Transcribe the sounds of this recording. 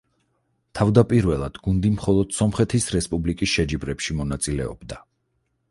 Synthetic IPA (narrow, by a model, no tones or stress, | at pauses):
t̪ʰavd̪apʼiɾvɛlˠad̪̥ɡund̪imχɔlˠɔd̪̥sɔmχɛt̪ʰisɾɛspʼublikʼisʃɛd͡ʒibɾɛpʃimɔnat̪sʼilɛɔ̰bd̪a